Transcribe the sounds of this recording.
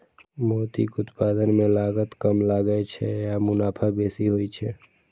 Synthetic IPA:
moːt̪ḭkʊt̪pad̪ənmẽlaɡət̪kəmlaɡəɛt͡ʃʰɛjamʊnaːpʰabesiɦojt͡ʃʰɛ

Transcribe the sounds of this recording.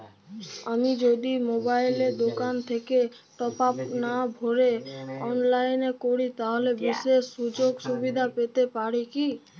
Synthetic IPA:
əmid͡ʒod̪imobailed̪okant̪ʰeke | ʈɔpapnabʱoɾeɔnlainekoɽit̪aɦlebɪsesːud͡ʒoɡsubid̪ʱapet̪epaɽiki

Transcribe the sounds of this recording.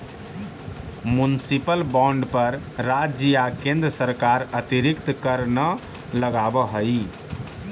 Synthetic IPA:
munsipəlbɔ̃ɳɖpəɾː | ad͡ʒiakẽnd̪ɾəsəɾkaɾət̪iɾikt̪kəɾnə | ləɡabəɦəi

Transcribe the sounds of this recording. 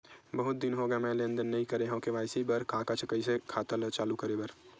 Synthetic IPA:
bəɦʊt̪̚d̪ɪnɦoɡjamɛ̃ːlẽːə̃nd̪ənːɐɦĩkəɾeɦõːkeʋaːɪsibəɾkʰaːkat͡ʃʰəkəisekʰaːt̪əlt͡ʃaːlukəɾebəɾ

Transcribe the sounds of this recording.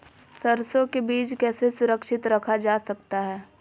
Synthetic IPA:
sɐɾsõkebiːt͡ʃkɛːsesʊɾəkʃɪt̪ɾɐkʰad͡ʒaːsɐk̚t̪aɦɛː

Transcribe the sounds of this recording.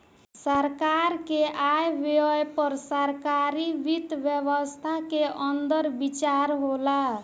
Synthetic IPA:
səɾkaɾkeʔajbejpəɾsəɾkaɾibit̪bjəβəst̪ʰakeʔənd̪əɾbit͡ʃaɾɦola

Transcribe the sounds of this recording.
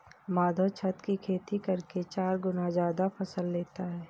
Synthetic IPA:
maːd̪ʱot͡ʃʰɐt̪kikʰeːt̪ikɐɾket͡ʃaːɾɡʊnazaːd̪apʰɐsəlːeːt̪aɦɛː

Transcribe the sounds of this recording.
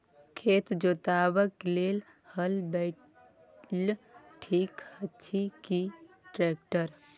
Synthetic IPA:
kʰeːt̪d͡ʒoːt̪aːbəkleːl | həlbe | l | ʈʰiːkhətːt͡ʃʰiki | ʈɾek̚ʈəɾ

